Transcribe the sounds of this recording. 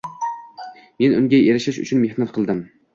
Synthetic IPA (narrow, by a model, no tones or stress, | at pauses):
menuŋɡʲɛʔeɾɪʃɪʃy̰t͡ʃʰynmehnɛt̪̚qʰəlˠd̪ɨm